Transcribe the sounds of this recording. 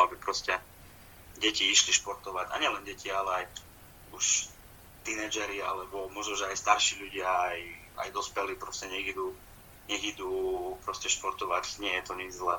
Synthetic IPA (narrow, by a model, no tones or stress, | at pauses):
abipɾɔscɛ | ɟɛciiʃliʃpɔɾt̪ɔʋaɟa̰ɲɪɛlɛnɟɛcʰialɛaj | uʃ | t̪inɛd͡ʒɛɾialɛbɔmʊɔʒnɔʒɛajst̪aɾʃiːʎuɟɪaːj | a̰jd̪ɔspɛliːpɾɔscɛɲɛɣid̪uː | ɲɛɣid̪uːpɾɔscɛʃpɔɾt̪ɔʋacɲɪɛjɛt̪ɔɲid͡zzlɛː